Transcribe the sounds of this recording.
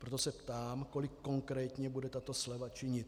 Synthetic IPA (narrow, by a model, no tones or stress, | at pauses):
pɾot̪osɛpt̪aːmko̞lɪkːo̞ŋkɾɛːt̪ɲɛbudɛt̪at̪o̞slɛvat͡ʃɪɲɪt̪